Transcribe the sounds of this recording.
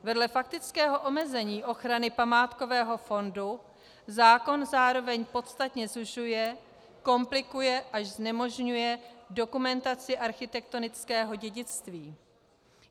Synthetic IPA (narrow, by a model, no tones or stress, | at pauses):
vɛdlɛfak̚t̪ɪt͡skɛːɦo̞ʔo̞mɛzɛɲiːʔo̞xɾanɪpamaːt̪ko̞vɛːɦo̞fo̞ndu | zaːko̞nzaːɾo̞vɛɲpo̞t̪st̪at̪ɲɛzuʃujɛ | ko̞mplɪkujɛʔaʒznɛmo̞ʒɲujɛdo̞kumɛnt̪at͡sɪʔaɾxɪt̪ɛk̚t̪o̞nɪt͡skɛːɦo̞ɟɛɟɪt͡st̪viː